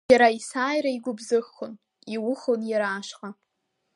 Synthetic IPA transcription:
aɾaisaːjɾaiɡʷʊbzɨxon | iwʊχonjaɾaːʂqʼa

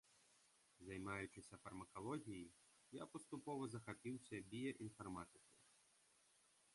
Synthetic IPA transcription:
zɐjmajʊt͡ʃɪsʲɐfɐrmɐkalˠɔɣʲiji | ja̰pɐst̪upɔvɐzɐxapʲiwsʲɐbʲijɐʔinfarmat̪ɪkɐj

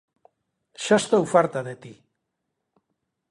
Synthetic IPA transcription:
ʃast̪owfaɾt̪aðet̪i

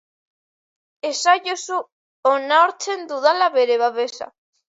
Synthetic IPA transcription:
esaʝosu | onaoɾt͡ʃend̪uðalaβeɾeβaβesa̰

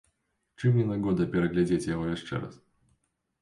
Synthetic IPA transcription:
t͡ʂɨmnʲinɐɡɔd̪ɐpʲɪɾɐɣlʲɛd͡zʲet͡sʲjɐvɔvʲɛʂt͡ʂɛ̰ɾɐ̰s

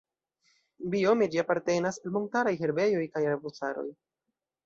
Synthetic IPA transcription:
bio̞med͡ʒiapaɾte̞nasalmo̞ntaɾajɦe̞ɾbe̞jo̞jkajɾabusaɾo̞̰j

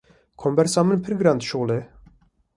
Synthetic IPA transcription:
kʰɔmbɛɾsɑmənpʰɨɾɡɾand̪ʃoːle

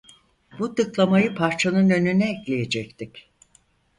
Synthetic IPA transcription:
b̥ut̪ʰɯklˠamajɯpʰaɾt͡ʃʰanɯnø̞nynɛːclʲejed͡ʒɛct̪ʰic

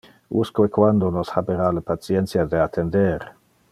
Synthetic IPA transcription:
ṵskwekwand̪onoshabeɾalapat̪sjɛnt̪sjad̪eat̪ʰːend̪eɾ

